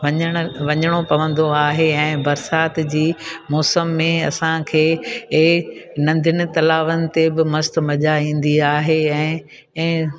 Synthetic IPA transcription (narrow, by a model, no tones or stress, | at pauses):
ʋɐɲəɽ̃ʋɐɲəɽ̃opɐʋə̃nd̪oaːɦeɛ̃ːbɐɾsaːt̪d͡ʑiːmɔːsəmːẽɐ̰sãkʰeː | nɐ̃nd̪ʱɪnɪ̆t̪ɐlaːʋənɪ̆t̪ebɪmɐst̪̆mɐʄaĩːn̆d̪iaːɦeɛ̃ː | ɛ̃ː